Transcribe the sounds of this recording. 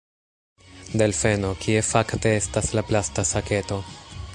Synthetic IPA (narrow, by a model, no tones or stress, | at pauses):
d̪e̞lfe̞no̞kʰie̞fakte̞estaslaplastasake̞to̞